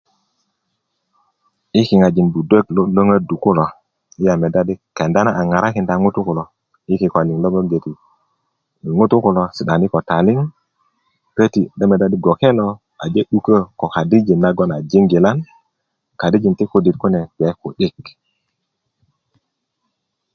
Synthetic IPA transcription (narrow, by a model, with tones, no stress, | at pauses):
i˦ki˨ŋa˨d͡ʒi˨nbu˨de˦kllo˦ŋə˦du˨ku˦lo˨ | i˦ja˨me˨da˦di˦ke˨nda˦na˦ʔa˨ŋa˨ɾa˦ki˨nda˨ŋu˦tu˦ku˨lo˨ | i˦ki˨ko˨li˨ŋlo˦ŋə˦ɡe˨ti˨ | ŋu˦tu˦ku˨lo˨si˨ɗa˨ni˦ko˨ta˨li˦ŋ | pe˦ti˨ɗə˦me˨da˦di˦ɡo˨ke˦lo˦ | a̰˨d͡ʒe˦ɗu˦kə˦ko˨ka˨di˦d͡ʒi˨nːa˦ɡo˦na˨d͡ʒi˦ŋɡi˨la˦n | ka˨di˦d͡ʒi˨nti˦ku˦di˨t̚ku˦ne˨ɡe˨˦ku˨ɗi˦k